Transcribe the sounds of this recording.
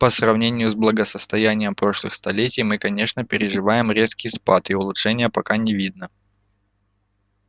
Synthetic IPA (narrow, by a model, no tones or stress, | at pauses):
pəsrɐvnʲenʲɪjʊzblˠəɡəsəst̪ɐjænʲɪjəmpɾo̞ʂlˠɨ̰xst̪ɐlʲetʲɪjmɨkɐnʲe̞ʂnəpʲɪɾʲɪʐɨvajɪmɾʲe̞skʲɪjspat̪ɪʊlˠʊtʂɛnʲɪjəpɐkanʲɪvʲid̪̚nə